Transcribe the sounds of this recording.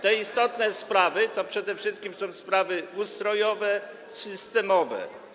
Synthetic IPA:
t̪ɛist̪ɔt̪nɛspɾavɘt̪ɔpʂɛd̪ɛfʂɘst̪kʲimsɔ̃w̃spɾavɘust̪ɾɔjɔvɛ | sɘst̪ɛmɔvɛ̰

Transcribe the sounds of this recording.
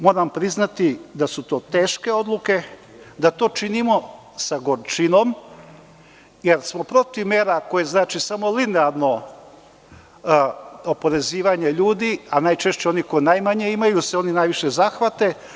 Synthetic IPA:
mo̞ːɾampɾiznat̪id̪asut̪o̞ːt̪e̞ːʃke̞o̞d̪luke̞ | d̪at̪o̞ːt͡ʃinimo̞ | saɡoɾt͡ʃino̞m | jeɾsmo̞pɾo̞t̪iʋmeːɾako̞jeznaːt͡ʃisamo̞lineaɾno̞ | opo̞ɾe̞ziːʋaɲeʎuːd̪ianaːjt͡ʃe̞ʃt͡ɕeo̞niko̞jinajmaɲe̞imajuseo̞ninajʋiʃe̞zaːxʋat̪e̞

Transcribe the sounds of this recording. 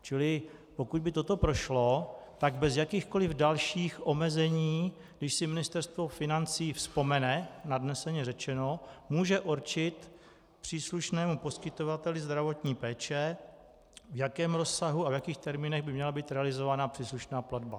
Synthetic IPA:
t͡ʃɪlɪ | po̞kud̪bɪt̪o̞t̪o̞pɾo̞ʃlo̞t̪aɡbɛzjakiːxko̞lɪvdalʃiːxʔo̞mɛzɛɲiː | ɡdɪʃsɪmɪnɪst̪ɛɾst̪vo̞fɪnant͡siːfspo̞mɛnɛnadnɛsɛɲɛrɛt͡ʃɛno̞muːʒɛʔuɾt͡ʃɪt̪ | pr̝̥iːsluʃnɛːmupo̞skɪt̪o̞vat̪ɛlɪzd̪ɾavo̞t̪ɲiːpɛːt͡ʃɛ | vjakɛːmɾo̞sːaɦuavjakiːxt̪ɛɾmiːnɛɣbɪmɲɛlabiːt̪ɾɛalɪzo̞vanaːpr̥iːsluʃnaːpladba

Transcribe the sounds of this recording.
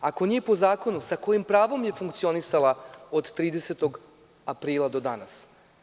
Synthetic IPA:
ako̞nijepo̞zaːko̞nusako̞jimpɾaːʋo̞mje̞fuŋkt̪sio̞nisalˠaod̪t̪ɾiːd̪e̞set̪o̞ɡ | apɾiːlˠad̪o̞d̪anas

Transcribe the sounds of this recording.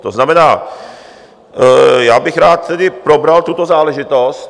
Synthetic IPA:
t̪oznamɛnaː | jaːbɪxɾaːt̪ːɛdɪpɾobɾalt̪ut̪ozaːlɛʒɪt̪o̞st̪

